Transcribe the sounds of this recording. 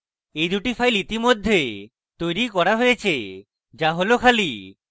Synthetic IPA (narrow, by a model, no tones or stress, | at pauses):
ejd̪uʈifʰajlit̪imod̪ʱːe | t̪ojɾikɔɾaɦojet͡ɕʰe | d͡ʒaɦolokʰali